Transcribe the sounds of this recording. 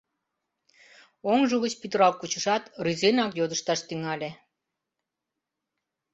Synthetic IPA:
oŋʒuɣət͡ɕpyt̪əɾɑlkut͡ɕəʃɑt̪ryzenɑkjod̪əʃt̪ɑʃt̪yŋɑlʲe

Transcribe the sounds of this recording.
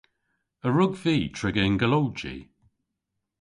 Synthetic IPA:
əɹʊɡviːtʰɹ̥ɪɡəɪnɡəlowd͡ʒḭ

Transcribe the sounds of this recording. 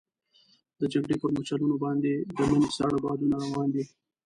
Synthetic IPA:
d̪əd͡ʒaɡɽepəɾmot͡ʃalunobɑnd̪ed̪əmənisɑɽabɑd̪unaɾawɑːnd̪i

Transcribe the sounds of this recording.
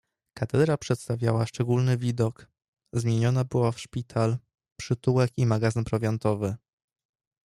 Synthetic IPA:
kat̪ɛd̪ɾapʂɛt̪st̪avʲjawaʂt͡ʂɛɡulnɘvʲid̪ɔk | zmʲjeɲɔnabɘwafʂpʲit̪ʰal | pʂɘt̪uwɛkimaɡazɘnpɾɔvʲjɔnt̪ɔvɘ

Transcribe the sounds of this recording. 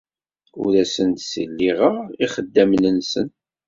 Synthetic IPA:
ʊ̰ɾæsənt̪sə̰lːiʁəʁiχəd̪ːæmnənsən

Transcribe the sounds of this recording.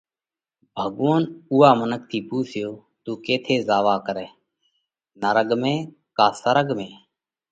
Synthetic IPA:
bʱəɠʋoːnuːaːmənək̚t̪ʰiːpuːsʰɪjoː | t̪uːkeːt̪ʰeːzaːʋaːkəɾɛː | nəɾəɠmẽː | kaːsəɾəɠmẽː

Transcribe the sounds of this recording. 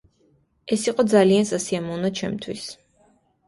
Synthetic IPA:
ɛsiqʼɔd̪zaliansasiamɔvnat͡ʃʰɛmt̪ʰwḭs

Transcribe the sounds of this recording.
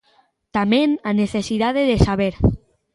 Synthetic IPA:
t̪amenaneθesiðaðeðesaβeɾ

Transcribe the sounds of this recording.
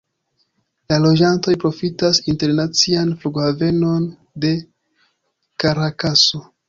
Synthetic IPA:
lalo̞d͡ʒanto̞jpɾo̞fitasinte̞ɾnat͡sianfluɡhave̞no̞n | de̞ | kaɾakaso

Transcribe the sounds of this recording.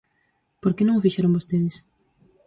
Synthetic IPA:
poɾkenõŋofiʃɛɾõŋbost̪eðɪs

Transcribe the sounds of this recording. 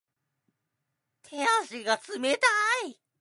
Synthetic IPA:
t̪ʰeaɕiɡat͡sɨmet̪ai

